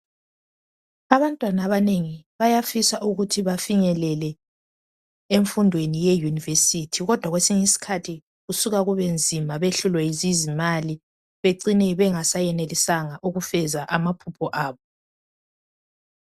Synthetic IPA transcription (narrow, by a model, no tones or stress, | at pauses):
aβantʼwanaβaneŋiβajafisaʔuɣutʰiβafiɲɛlɛlɛ | eɱfundʱwenijejunivesitʰiɣɔd̥ʱwaɣwesiŋisi̥kʰatʰi | ɣusuɣaɣuβend͡zʱimaβeɬulwɛjizizimali | βeǀinɛβɛŋasajɛnelisaŋaʔuɣufɛzaʔamapʰupʰɔʔaːβɔ